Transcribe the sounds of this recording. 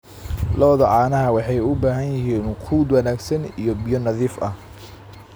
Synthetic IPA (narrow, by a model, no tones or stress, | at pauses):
lɐβðɐʕɑːnɐɦɐwɑħɑjʊbaːɦɐnjɪɦiːnqʰuːd̪wɐnaːɡsɐnijɔbijɔnɐðiːfɐh